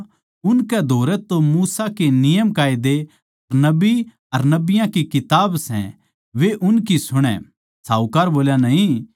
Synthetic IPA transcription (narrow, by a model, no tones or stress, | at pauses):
ʊnkɛd̪ʱoːɾɛt̪omuːsakenɪjəmkaːid̪e | ɐɾnɐbi | ɐɾnɐbɪjãkikɪt̪aːbsɛ̰̃ | ʋeʔʊnkisʊɽ̃ɛ̰̃ | saːʊkaːɾboːljanɐɦĩ